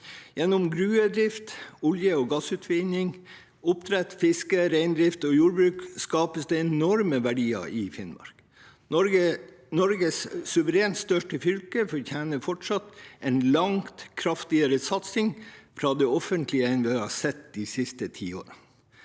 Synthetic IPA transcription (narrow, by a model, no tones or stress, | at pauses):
jɛnːɔmɡɾʉːəd̪ɾɪft̪ʊljəɔɡɑsʉːt̪ʰʋɪnɪŋ | ʊpt̪ʰɾɛt̪fɪskəɾæɪnd̪ɾɪft̪ɔjuːɾbɾʉːkskɑːpəsd̪ɛɛnɔɾməʋæɖiːɑ̰ʔɪfɪnmɑ̰ɾk | ə | nɔɾɡəssʉʋəɾeːnt̪st̪œʂʈəfʏlkəfɔɾçæːnəfɔʈʂɑt̪ɛɪnlɑŋt̪kʰɾɑft̪ɪəɾəsɑt̪sɪŋfɾɑːd̪ɛɔfənt̪lɪəɛɪnʋɪhɑsɛt̪d̪isɪst̪ət̪ʰḭːo̰ːɾən